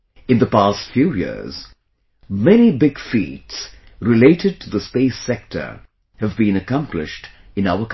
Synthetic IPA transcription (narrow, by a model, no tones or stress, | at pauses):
ɨ̃nðəpæstfjujɪ̰ɹz̥ | mɛnibɪɡ̥fḭts | ɹɪleɪɾɨd̚tʰɨðəspeɪsɛk̚tʰə̰˞ | hɨvbĩnɨkʌ̃mplɪ̰ʃt | ɨ̃naʊə˞k